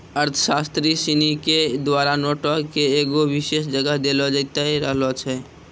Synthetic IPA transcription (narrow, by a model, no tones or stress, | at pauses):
əɾt̪ʰə̥sast̪ɾisiniked̪waɾanɔʈɔkeːɡoʋiʃesd͡ʒəɡəɦd̪elɔd͡ʒət̪aiɾəɦlɔt͡ʃʰɛ